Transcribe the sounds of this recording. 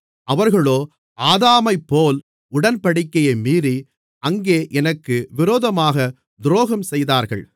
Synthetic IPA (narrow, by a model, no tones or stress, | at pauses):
ʔɐʋɐɾɣɐɭoː | aːðaːmɐɪpːoːl | ʊɽɐnpɐɽɪkːɐjɐɪmiːɾi | ɐŋɡeːʔɛnɐkːɯʋɪɾoːðɐmaːɣɐ | d̪ʊɾoːɣɐmsɛjðaːɾɣɐ̰ɭ